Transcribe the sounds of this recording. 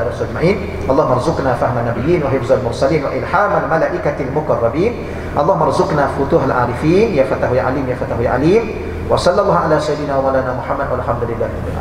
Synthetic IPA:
aɾsˤuad͡ʒmaʕiːn | ʔɑlˤːɑːhʊmːʔɑɾˤzʊqnaːfahmanːabɪjːiːnwahjʊɾzʊʔalmʊɾˤsaliːnwa̰ʔɪlħaːmalmalaːʔɪkalmʊqɑrˤːɑbiːn | ʔɑlˤːɑːhʊmʔɑɾˤzʊqnaːfʊt̪uhalʕaːɾɪfiːnjafat̪ahʊjʕa̰liːmjafat̪aɦʊjʕa̰liːm | wasˤɑlːɑlˤːɑːhʕalaːsajid̪ɪnaːwamalaːnaːmʊħamːad̪ʔallħamd̪ʊlɪlːaːhɪɾˤɑbːɪʕa̰

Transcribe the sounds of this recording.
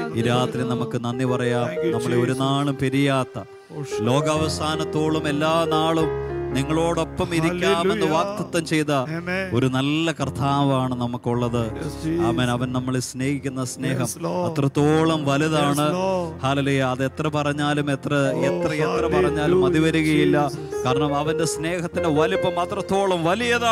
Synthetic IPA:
iɾaːt̪rinɐmukːɨnɐnːipɐrɐjaːmnɐmːɐɭeoɾunaːɭumpeɾijaːt̪ːɐ | lo̞ːɡɐʋɐsaːnɐt̪ːoːɭume̞lːaːnaːɭumniŋːɐɭo̞ːɽo̞pːɐmiɾikʲːaːme̞nːɨʋaːk̚t̪ɐt̪ːɐmt͡ɕe̞jt̪ɐo̞ɾunɐlːɐkɐrt̪ʰaːʋɐmaːɳɨnɐmukːuɭːɐðɨaːmeːnɐʋɐnnɐmːɐɭesne̞ːhikʲːunːɐsne̞ːɦɐmɐt̪rɐt̪ːoːɭɐmʋɐliðaːɳɨhaːlɐluːjaːðe̞t̪rɐpɐrɐɲːaːlumet̪rɐet̪rɐet̪rɐpɐrɐɲːaːlumɐðiʋɐɾuɣɐjilːɐkaːɾɐɳɐmɐʋɐnde̞sne̞ːhɐt̪ːineʋɐlipːɐmɐt̪rɐt̪ːo̞ːɭɐmʋɐlijɐða

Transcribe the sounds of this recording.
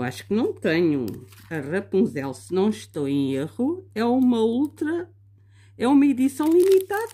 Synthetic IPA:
wa̰ʃu̥knɐ̃w̃t̪ɐɲṵɐʁɐpũzɛlˠsɨnɐ̃w̃ʃt̪owẽj̃eʁuɛumɐolˠt̪ɾɐ | ɛumɐiðisɐ̃w̃lˠimit̪aðɐ

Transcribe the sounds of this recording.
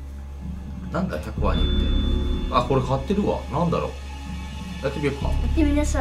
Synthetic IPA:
nãŋka̰çakɯβa̰ɲḭt̪ːeako̞ɾekʰat̪ːeɾɯ̟βa̰nãnd̪aɾo̰ː | d̪at̪ːebʲiɯpːa̰iminas

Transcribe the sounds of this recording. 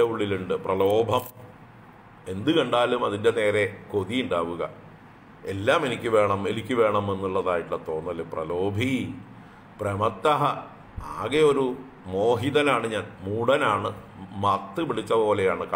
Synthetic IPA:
euɭːiluɳɖɨprɐlo̞ːbʱɐm | e̞nd̪ɨkɐɳɖaːlumɐðinde̞ne̞ːɾe̞ko̞ðijuɳɖaːʋuɣɐ̰ | e̞lːaːme̞nikʲːɨʋe̞ːɳɐmenikʲːɨʋe̞ːɳɐme̞nːuɭːɐðaːjiʈːɐt̪ːo̞ːnːɐlːeprɐlo̞ːbʱi | prɐmɐt̪ːɐɦɐ | a̰ːɣeo̞ɾu | mo̞ːɦiðɐnaːɳɨɲaːnmuːɽɐnaːɳɨmɐt̪ːɨpiɽit͡ɕːɐpo̞ːle̞jaːɳɨkː

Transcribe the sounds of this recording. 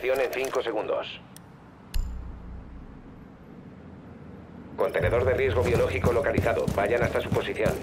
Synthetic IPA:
θjo̞ne̞nθiŋko̞se̞ɣund̪o̰s | ko̞nt̪ene̞ðo̞ɾðe̞rje̞zɣ̞o̞βjo̞lo̞xiko̞lo̞kaliθaðo̞̰βaʝanast̪asupo̞siθjo̞̰n

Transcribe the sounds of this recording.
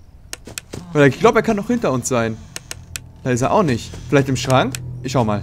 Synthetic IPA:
vaɪeɐɪç̥laʊbəeːɐkʰanːɔχhɪntɐʊnsz̥aɪn | d̥aːɪsteɐʔaʊxnɪçtfɪlaɪçtɪmʃʁ̥aŋkʔɪçʃaʊəma̰ːl

